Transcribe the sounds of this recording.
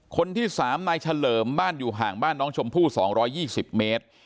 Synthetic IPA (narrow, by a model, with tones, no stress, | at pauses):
kʰo˧nt̪ʰiː˥˩saː˩˦mnaː˧jt͡ɕʰa˧lɤː˩˦mbaː˥˩njuː˨˩ɦaː˨˩ŋbaː˥˩nːɔː˦˥ŋt͡ɕʰo˧mpʰuː˥˩sɔ̰ː˩˦ŋɾɔː˦˥jːiː˥˩si˨˩p̚meː˦˥t̪̚